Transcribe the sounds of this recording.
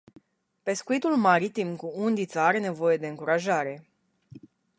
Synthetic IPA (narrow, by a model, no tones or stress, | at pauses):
pe̞skuit̪ulmaɾit̪imkuund̪it̪saaɾe̞ne̞vo̞je̞d̪e̞ɨŋkuɾaʒaɾe̞